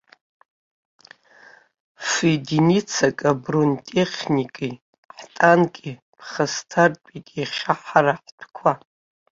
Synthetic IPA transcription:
fedinit͡sʰakʼabruntʼeχʲnʲikʼi | ħtʼankʼi | pʰχastʰartʷʼitʼiχʲaħaɾaħtʷʰkʷʰa

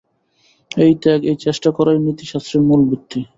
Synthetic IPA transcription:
ejt̪ɛkejt͡ɕeʃʈakɔɾajnit̪iʃast̪ɾimulbit̪ːi

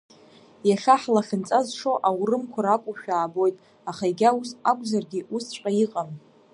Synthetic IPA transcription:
jaʂaħlaχʲɪnt͡sʼazʂoʔawrɨmkʷʰaɾakʷʼuʃᶣaːbo̞jtʼ | aχaiɡʲausakʷʼzarɡʲɪʔust͡ʃʷʼqʼajiqʼam

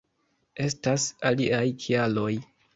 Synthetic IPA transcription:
e̞stasaliajkʰialo̞j

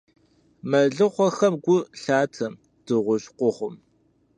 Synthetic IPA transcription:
mɐɮɨχʷɔxɐmɡʷʊɬaːtʰɐm | d̥ɨʁʷʊɕqʷʊχʷʊm

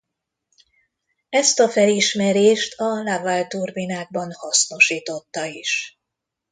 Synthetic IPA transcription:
ɛst̪ɒfɛliʃmɛɾeːʃt̪ʰɒlavalt̪urbinaːɡ̚bɒnhɒsno̞ʃiːt̪o̞t̪ːɒiʃ

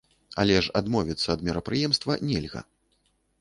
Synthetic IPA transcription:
a̰lʲɛʂa̰d̪mɔvʲit̪sːɐːd̪mʲiɾɐpɾɨjɛmst̪vɐnʲɛlʲɣɐ̰

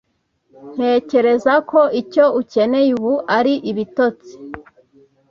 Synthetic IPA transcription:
n̥he̞ːce̞ɾe̞zakʰo̞ʔico̞uce̞ne̞juβuaɾiʔiβito̞t͡si̥

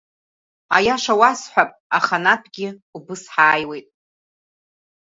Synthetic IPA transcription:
a̰jaʂawasħʷapʼaχanapʰɡʲɪubɨsħaːjwe̞jtʼ

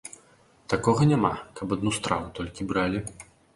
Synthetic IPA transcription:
t̪akɔɣɐnʲamakɐpad̪nust̪ɾavut̪ɔlʲkʲibɾalʲi

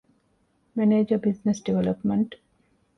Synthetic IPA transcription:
meneːd͡ʒɐbiznesɖiʋelɐpmeɳʈ

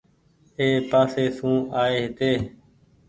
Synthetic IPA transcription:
eːpaːseːsũːaːeːɦɪt̪eː

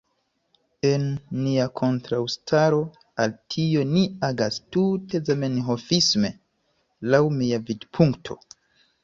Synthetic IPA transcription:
e̞nːiakʰo̞ntɾawstʰaɾo̞ | altʰio̞niaɡastute̞zame̞nɦo̞fisme̞ | lawmiavidpʰuŋktʰo̞̰

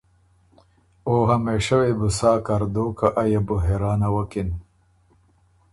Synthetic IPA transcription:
oɦameʂɐwebusaːkaɾd̪okaʔajabʊɦeɾɑːnawɐkin

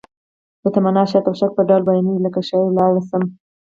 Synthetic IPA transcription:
d̪̥ət̪amanɑʃɑt̪awʃak̚pəɖalbajniləkaʃɑjlɑwɽasəm

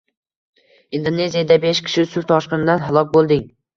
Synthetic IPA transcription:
ind̪onːe̞zijad̪abeʃkʲʰɪ̥ʃɪsʊɾt̪ʰɒʃqɨnɪd̪anɦalˠɒk̚ʲbolˠd̪ɪŋ

